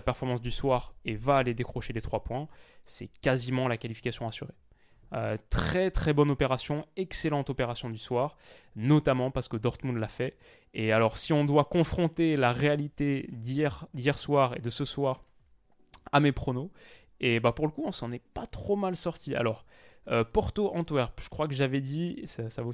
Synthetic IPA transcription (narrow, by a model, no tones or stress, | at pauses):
pɛʁfɔʁmɑ̃s̬d̪yswaːʁevaːled̪ekχɔʃelet̪χwapwɛ̃sɛkazimɑ̃lakalifi̥kasjɔ̃asyʁe | øt̪χɛt̪χɛbɔnɔpeʁasjɔ̃ɛkselɑ̃t̪ɔpeʁasjɔ̃d̪yswaʁnɔt̪amɑ̃paʁsə̥kəd̪ɔʁt̪mũd̪lafɛ | ealɔʁsiɔ̃d̪wakɔ̃fχɔ̃t̪elaʁealit̪ed̪ijɛʁd̪ijɛʁswaʁḛd̪əsəswaːʁ | amepχono | ebapuʁləkuɔ̃sɑ̃nɛpat̪χomalsɔʁt̪ia̰lɔʁ | øpɔʁt̪oʔɑ̃t̪wɛʁʒ̥ə̥kχwakəʒavɛd̪isasavo